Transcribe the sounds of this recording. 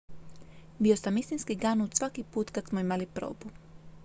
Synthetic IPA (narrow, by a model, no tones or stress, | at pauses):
bio̞samist̪inskiɡanut̪sʋakipuːt̪kat̪smoimalipɾo̞̰ːbu